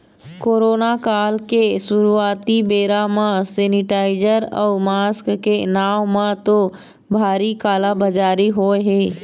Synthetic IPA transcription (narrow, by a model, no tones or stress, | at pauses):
koːɾoːnakaːlkeʃʊɾuaːt̪ibeːɾamãseːnɪʈaːɪzəɾɔːmaːskːenaːʋmãt̪o | bʱaːɾikaːlabɐd͡ʒaːɾiɦoːeɦeː